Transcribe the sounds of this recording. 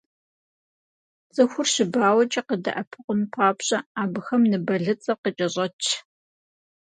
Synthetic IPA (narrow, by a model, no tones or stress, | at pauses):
zʼɐxʷʊrɕɪbaːwɐt͡ʃʼɐqədɐ̰ʔɐpʰɨqʷʊnpʰaːpɕʼɐaːbɨxɐmnɨbɐɮɨt͡sʼɐqət͡ʃʼɐɕʼɐt͡ʃʰ